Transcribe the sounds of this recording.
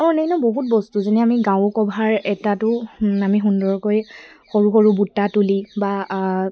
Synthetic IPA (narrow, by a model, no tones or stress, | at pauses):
ɔnɛinɔboɦut̚bɔstuzenɛamiɡãw̃kɔbʱaɹɛtatʊamixundɔɹkoj | xoɹuxoɹubutːatuliba